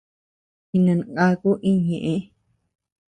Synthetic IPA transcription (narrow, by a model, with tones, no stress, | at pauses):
ĩ˧nɨ̃˧˨n˨a˧ku˦ʔĩ˦ɲẽ˨ʔẽ˧